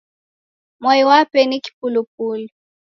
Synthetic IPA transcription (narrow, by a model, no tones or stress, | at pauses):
mwaiwapɛniki̥pulupuli